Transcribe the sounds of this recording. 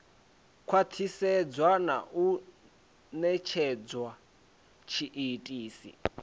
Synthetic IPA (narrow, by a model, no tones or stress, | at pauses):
kʰwat̪ʰisɛd͡zwana̰ʔu | nɛt͡ʃʰɛd͡zwa | t͡ʃʰiʔitʼiːsḭ